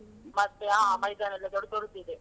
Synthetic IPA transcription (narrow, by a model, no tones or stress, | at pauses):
mɐt̪ːeaːmɐjd̪aːnɐlːɐd̪ɔɽt̪oɾut̪ːid̪e